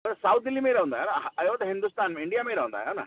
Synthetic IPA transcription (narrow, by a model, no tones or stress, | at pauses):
ɐt̪sawt̪̚d̪ilːimejɾaɦũnd̪ajonaɦɐjʋot̪ɦind̪ust̪aːnmiɳɖijamejɾaɦund̪a̰jona̰